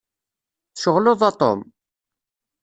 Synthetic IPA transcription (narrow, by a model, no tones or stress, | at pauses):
θʃəʁloðˤɑt̪ˤo̰m